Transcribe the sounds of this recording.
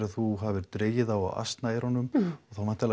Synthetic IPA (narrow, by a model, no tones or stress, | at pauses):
ɾaðθuɦavɪɾt̪ɾeːjɪðawa̰wʔa̰st̪naɛɾhɔnːʏmɔɣθawmɛnt̪al